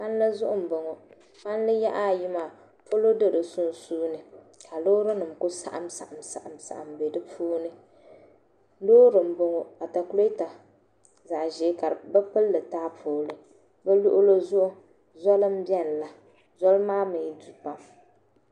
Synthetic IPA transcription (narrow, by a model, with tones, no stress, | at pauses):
pa˦n˦lɨ˦zʊ˦ʔʊ˦m̩˨bo˨ŋo˨ | pa˦n˦lɨ˦ja˦ʔa˦˨jɪ˦ma˨ | po˦lo˦dɨ˦dɨ˨sʊ˦n˨suː˦nɨ˨ | kʰa˨loː˦ɾɨ˦nɨ˨m̩˨kʊ˦sa̰˨ʔa˨msa̰˨ʔa˨msa̰˨ʔa˨msa̰˨ʔa̰˨mbe˨dɨ˦pʰuː˦nɨ˦ | loː˦ɾɨ˨m̩˨bo˨ŋo˨a˨ta˨klo˦ta˨ | za˨ʔʒɛ˨˦ka˨ɾbɛ˦pɨ˦lːɨ˨taː˦pʰoː˨lɨ˨ | bɛ˦lʊ̰˦ʔʊ˦lo˦zʊ˦ʔʊ˦ | zɔ˦lɨ˦m̩˦bjɛ˦n˨la˨ | zɔ˦lmaː˦mɨ˨ɲi˦du˨pa˨m